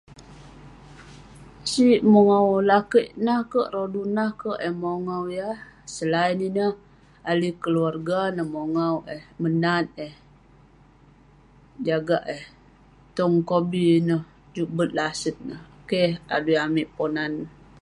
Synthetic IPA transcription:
siʔmoŋawlakəʔnahkəʔrodunahkəʔəhmoŋawjahsəlaininəh | alikəluarɡanəhmoŋawʔɛhmənat̪̚ɛh | d͡ʒaɡaʔɛh | t̪ɔŋkobinəh | d͡ʒuʔbət̪̚lasət̪̚nəhkeha̰dujamiʔponan

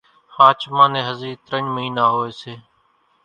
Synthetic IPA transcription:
haːt͡ʃʰmãːnẽːɦəziːt̪ɾəɲməɦĩːnaːɦoːeːseː

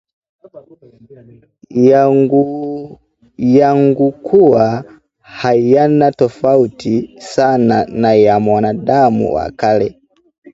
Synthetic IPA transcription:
jaŋɡukʰuwa | hajanatɔfautisananajamwanadamṵwa̰kalɛ

